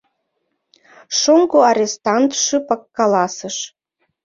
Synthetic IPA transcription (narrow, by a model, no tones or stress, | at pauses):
ʃoŋɡoɑɾʲest̪ɑnt̪ʃypɑkːɑlɑsəʃ